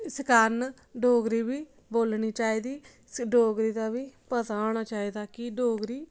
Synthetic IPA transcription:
skaːn | ɖoːɡɾiːʋiː | boːlɳiːt͡ʃaːiːd̪iː | ɖoːɡɾiːd̪aːʋiːpət̪aːoːnaːt͡ʃaːiːd̪aːkɪɖoːɡɾiː

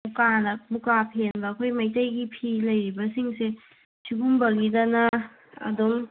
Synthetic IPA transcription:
mukanɐbukapʰenbɐːkʰojmɐjtɐjɡipʰilɐjɾibɐsiŋse | sʰiɡumbɐɡidɐnɐ | ɐ̰dom

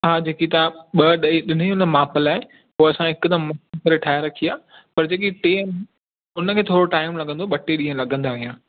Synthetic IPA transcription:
ɦaːd͡ʑeːkit̪ãɓɐɗɐeɗɪn̤uʊnmaːpəlaːɦe | ɦoːɐsãɦɪkd̪ɐmɐkɐɾeʈʰaːɪɾɐkʰijaː | pɐɾd͡ʑeːkiʈeːn | ʊnəkʰeːt̪ʰoːɾoʈaːɪmlɐɡə̃nd̪oɓɐʈeɗĩɦə̃lɐɡʱə̃nd̪aːʋijãː

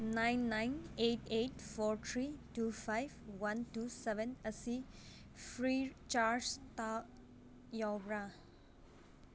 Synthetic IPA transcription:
naɪnːajneʈeʈfɔːɾt̪ʰɾiʈufʰajbwanʈusɛʋẽnəsi | fɾit͡ʃaːɾd͡ʒt̪a | jɔwbɾa

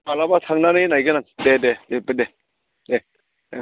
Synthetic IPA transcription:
balabatʰaŋnanɯnajɡɯnadededepɯde | de

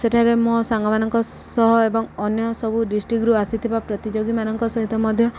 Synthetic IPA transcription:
seʈʰaɾemusaŋɡɔmanɔŋkɔsɔɦɔebɔŋɔnjɔsɔbuɖisʈɾikɾuasit̪ʰibapɾɔt̪id͡ʒoɡimanɔŋkɔsɔɦit̪ɔmɔd̪ʱjɔ

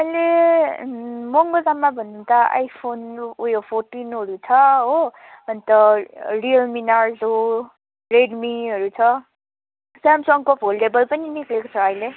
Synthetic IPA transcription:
ʌjle | moŋɡozamːabʱʌnːunt̪aa̰jpʰonujopʰoɾʈinɦʌɾut͡sʰʌɦo | ʌnt̪ʌɾiʌlminaɾzo | ɾeɖmiɦʌɾut͡sʰʌ | samsɔŋkopɦolʈebʌlpʌniniklekot͡sʰʌːjle

